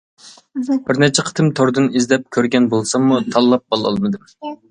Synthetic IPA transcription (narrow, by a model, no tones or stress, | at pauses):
b̥ɪɾnɛt͡ʃʰɛqʰə̥t̪ʰɨmt̪ʰoɾd̪ɨnizlɛp̚kʲʰøɾɡʲɛnbolˠsɑŋmut̪ʰɑlˠːɑp̚bɑlˠɑ̰lˠmɨd̪ɨm